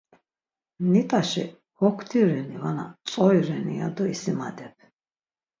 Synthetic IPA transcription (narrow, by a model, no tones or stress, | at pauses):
nit̪ʼaʃḭ | hɔkʰt̪ʰiɾɛnivanat͡s̪ʼɔjɾɛnia̰d̪ɔisimad̪ɛpʰ